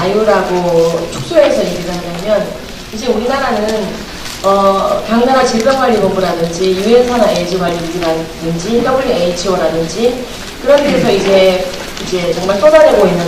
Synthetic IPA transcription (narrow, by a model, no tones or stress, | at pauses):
ajuɾaɡot͡ɕʰuk̚s͈uɦesʰʌjeɡiɡaɦaɲamjʌn | id͡ʑe̞uɾinaɾanɯn | ʌpjaŋnaɾat͡ɕiɭbaŋaɾibʌmbuɾadɯnd͡ʑijuɦensʰanaed͡ʑibaɾiiɡiɾadɯnd͡ʑitʌbuɭeeit͡ɕʰioɾadɯnd͡ʑi | kɯɾʌndeesʰʌid͡ʑe̞ | id͡ʑe̞t͡ɕʌŋmaɭsʰodaɾeɡoɦinːɯ